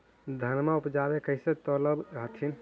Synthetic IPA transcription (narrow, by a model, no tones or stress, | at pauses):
d̪ʱənmaupd͡ʒabekəɪset̪ələbɦət̪ʰin